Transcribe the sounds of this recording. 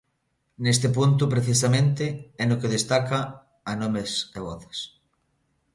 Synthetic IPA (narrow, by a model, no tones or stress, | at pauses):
nest̪ep̬unt̪̬upɾeθisamẽnt̪eɛnokeðest̪akaː | nõmeseβɔθe̥s